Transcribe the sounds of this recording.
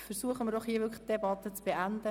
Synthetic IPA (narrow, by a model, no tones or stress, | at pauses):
fəɾsuəχəmɪɾdɔχhiəʋʏɾkʰəχt̚d̥ebɑt̪ːət͡sb̥eʔænd̪ə